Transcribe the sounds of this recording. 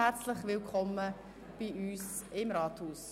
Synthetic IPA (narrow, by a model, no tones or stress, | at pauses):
ɛɾt͡slɪχʋɪlkʰχɔmə | b̥iyːs | ɪmɾɑːthuːs